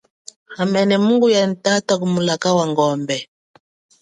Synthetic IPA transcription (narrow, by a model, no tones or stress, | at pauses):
amɛnɛmuŋɡujan̩tatakumulakawaŋɡɔmbɛ